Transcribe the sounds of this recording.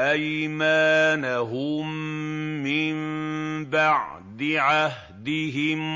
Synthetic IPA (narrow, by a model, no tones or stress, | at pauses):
ʔajmaːnaɦʊmː | ɪmbaʕ | d̪ɪʕah | d̪ɪɦɪm